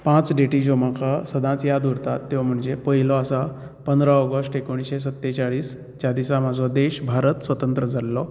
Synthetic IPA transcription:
pãt͡sɖeʈid͡ʑomakasəd̪ʱãt͡sjad̪uɾt̪at̪ːewm̤əɳd͡zepəɦilɔasa | pənd̪ɾaɔɡəsʈekoɽ̃isɕes̬ət̪ːet͡ɕaɭiːs | t͡ɕad̪isamad͡zɔd̪eɕbʱaɾət̪sʋət̪ənt̪ɾəd͡zʱalːɔ

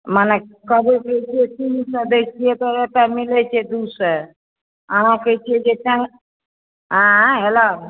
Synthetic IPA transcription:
manekəbeket͡ʃʰiet̪insəd̪ekt͡ʃʰiet̪ɔet̪amilet͡ʃʰed̪usə | aãket͡ʃʰied͡ʒet͡ʃaŋ | ɦãɦela

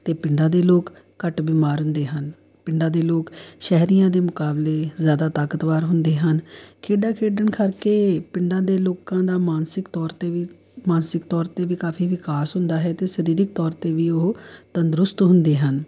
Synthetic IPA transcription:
t̪eːpɪɳɖãːd̪eːloːkː | əʈbiːmaːɾɦʊ̃nd̪eːɦən | pɪɳɖãːd̪eːloːkʃɛɦɾijãːd̪eːmʊkaːbleːzjaːd̪aːt̪aːkət̪ʋaːɾɦʊnd̪eːɦənkʰeːɖaːkʰeːɖəɳkʰəɾkeːpɪɳɖãːd̪eːloːkãːd̪aːmaːnsɪkt̪ɔːɾt̪eː | maːnsɪkt̪ɔːɾt̪eːʋɪːkaːfʰiːʋɪkaːsɦʊnd̪aːɦɛːt̪eːsəɾiːɾɪk̚t̪ɔːɾt̪eːʋiːʊɦt̪ənd̪ɾʊst̪ɦʊ̃nd̪eːɦən

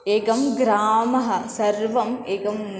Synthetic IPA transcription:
eːkɐmɡɾaːmɐɦɐsɐɾʋɐmeːkɐmn

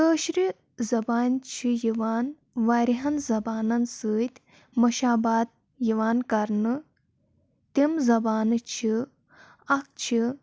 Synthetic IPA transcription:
kəːʃɾi | zɐbaːnʲt͡ʃʰijiʋaːn | ʋaːɾiɦɐnzɐbaːnɐnsɨːt̪ʲ | mɐʃaːbaːd̪̚ | jiʋaːnkɐɾnɨ | t̪imzɐbaːnɨt͡ʃʰi | ɐk̚t͡ʃʰi

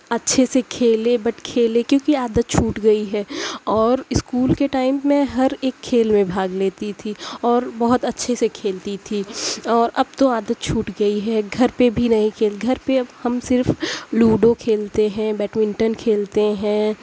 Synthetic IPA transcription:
ɐtːʃʰesekʰeːlẽbɐʈkʰeːlẽkjõːkiaːd̪ət̪̚t͡ʃʰuːʈɡɐiɦɛːɔːɾɪskuːlkeʈaːɪmːẽɦɐɾeːkʰːeːlmẽbʱaːɡleːt̪it̪ʰiɔːɾbɐɦʊt̪ɐtːʃʰesekʰeːlt̪it̪ʰiːɔːɾʔɐb̚t̪õaːd̪ət̪̚t͡ʃʰuːʈɡɐiɦɛɡʱɐɾpebʱinɐɦĩkʰeːlɡʱɐɾpeɐbhɐmsɪɾfluːɖõkʰeːlt̪eɦɛ̃bɛːʈmɪ̃ɳʈənkʰeːlt̪eɦɛ̃ː

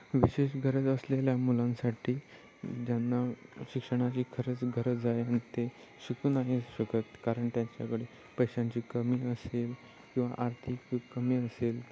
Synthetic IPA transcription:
ʋiɕeɕɡʱəɾəd͡zəsleljamulãnsaʈʰiː | d͡ʑanːaɕikʂəɽ̃at͡ɕiːkʰəɾet͡sɡʱəɾət͡sd͡zaeañit̪e | ɕikuːnaɦeɕəkət̪kaɾəɳʈjaɲt͡ɕa̰kəɽe | pəjɕãɲt͡ɕiːkəmiːəsel | kĩw̃ʋa̰ʔaɾt̪ʰikːəmiːəsel

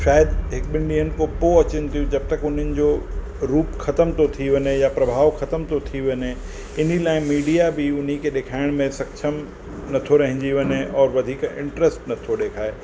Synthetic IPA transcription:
ʃaːjəd̪ɦɪk̚ɓɪ̃ɳɖiɦənɪ̆kopoɐt͡ɕɪnɪt̪ʰijũd͡ʑɐb̚t̪ɐkʊn̤ənɪ̆d͡ʑo | ɾuːpxʰɐt̪əmt̪ot̪ʰiʋɐnejapɾɐbʱaːʋxɐt̪əmt̪ot̪ʰiʋɐne | ɪnilaːɪ̃miːɖijabʱiʊnɦikʰeɗeːkʰaːɪɽ̃mẽsɐkʃʰəm | nɐt̪ʰoɾɐɦɪ̃ɲd͡ʑiʋɐnẽʔɔːɾʋɐd̪ʱiːkɪ̰̃ɳʈɾəsʈnɐt̪ʰoɗeːkʰaːeː

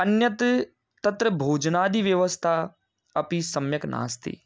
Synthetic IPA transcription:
ɐnjɐt̪ | t̪ɐt̪ɾɐbʱoːd͡ʒnaːd̪iʋjɐʋəst̪ʰa | ɐpisɐmjɐknʔa̰ːst̪ʰḭ

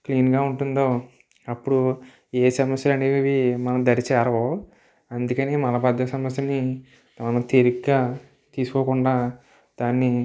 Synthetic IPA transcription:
kliːnɡaːuɳʈund̪o̞ː | ɐpːuɽu | eːsɐmɐsjɐlɐneːʋiʋimɐnɐmd̪ɐɾit͡ʃɛːɾɐʋoː | ɐnd̪ukɐneːmɐnɐpɐd̪ːɐsɐmɐsjɐni | ɐnɐt̪eɾiɡɡaː | t̪iːsu̥kɔːkuɳɖaː | d̪̥aːnːi

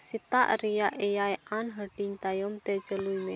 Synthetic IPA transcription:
sit̪a̰ʔɾijaʔejajanɦəɖ̥iŋt̪ajɔmt̪ɛd͡ʒəlujme

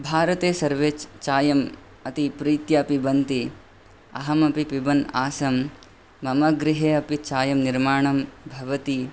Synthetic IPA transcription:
bʱaːɾɐt̪eːsɐɾʋeːt͡ʃt͡ʃaːjɐm | ɐt̪ipɾiːt̪jɐpibɐnt̪i | ɐ̰ɦɐmɐpipibɐnaːsɐmː | ɐmɐɡɾɪɦeːɐpit͡ʃaːjɐmniɾmaːɳɐmbʱɐʋɐt̪i

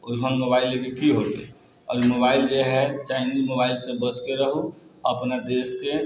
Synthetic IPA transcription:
ojɦənmobailekekiɦot̪ḛ | ɔ̰ːɾmobaild͡ʒeɦɛt͡ʃaɪnizmobailsẽbət͡ʃkeɾəɦuəpnad̪eske

